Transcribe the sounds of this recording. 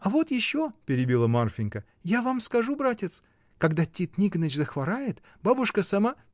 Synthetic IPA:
ɐvo̞t̪jɪɕːopʲɪɾʲɪbʲilˠəmarfʲɪnʲkə | javamskɐʐubɾatʲɪt̪s | kɐɡd̪atʲit̪nʲikənət͡ɕzəxvɐɾajɪt̪ | babʊʂkəsɐma

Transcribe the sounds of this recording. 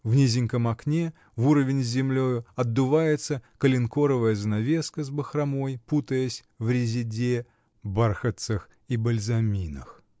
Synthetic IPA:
vnʲizʲɪŋʲkəmɐknʲe | vuɾəvʲɪnʲzʲɪmlʲojʊɐd̪ːʊvajɪt̪səkəlʲɪnko̞ɾəvəjəzənɐvʲe̞skəzbəxrɐmo̞jput̪əjəsʲ | vɾʲɪzʲɪdʲe | barxət̪sɨx | ibəlʲzɐmʲinə̰x

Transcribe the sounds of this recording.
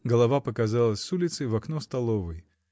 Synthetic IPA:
ɡəlˠɐvapəkɐzalˠəsʲsulʲɪt̪sɨjvɐknost̪ɐlˠovəj

